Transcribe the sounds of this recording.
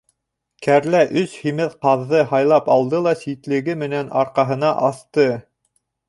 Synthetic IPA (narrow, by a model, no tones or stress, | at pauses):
kʰæɾlæʔɵshimɘðqɑðːɤhɑjlˠɑpɑlˠd̪ɤlˠɑsit̪lɘ̆ɡɘmɘ̆nænɑɾqɑɦɤ̆nɑʔɑθt̪ɤ